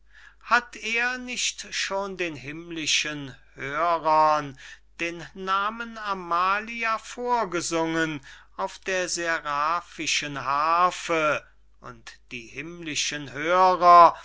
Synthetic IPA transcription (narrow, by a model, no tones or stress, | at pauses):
hatʰeːɐnɪçtʃoːndeːnɦɪmlɪʃənhøːʁɐnd̥eːnːaːmənamaːliafoːɐɡəzʊŋən | aʊfd̥eːɐzeʁaːfɪʃənɦaːfə | ʔʊ̰ntd̥iːhɪmlɪʃənhøːʁɐ